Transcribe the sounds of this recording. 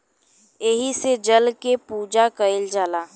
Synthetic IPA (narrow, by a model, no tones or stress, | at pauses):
eɦised͡ʒəlkepuːd͡ʒakəɪld͡ʒaːlaː